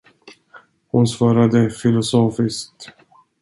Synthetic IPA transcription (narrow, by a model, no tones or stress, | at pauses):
hʊnsvɑːɾad̪əfɪlʊsoːfɪskt̪